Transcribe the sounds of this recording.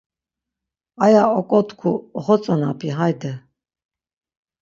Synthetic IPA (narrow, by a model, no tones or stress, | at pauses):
ajaɔkʼɔt̪ʰkʰuχɔt͡sʼɔnapʰiɦajd̪ɛ